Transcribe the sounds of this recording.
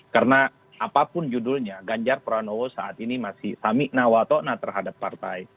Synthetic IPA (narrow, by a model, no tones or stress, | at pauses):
karna | ʔapapʊnd͡ʒudʊlɲaɡaɲd͡ʒarpəɾanowosaʔat̪inimasɪsamɪʔnawat̪ɔnat̪ərɦadapːart̪aj